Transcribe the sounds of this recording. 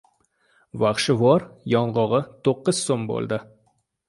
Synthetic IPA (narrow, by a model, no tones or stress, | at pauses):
vaχʃɪvɒɾjɒɴʁɒʁɨt̪ʰoqːɨz̥sombo̰lˠd̪ɪ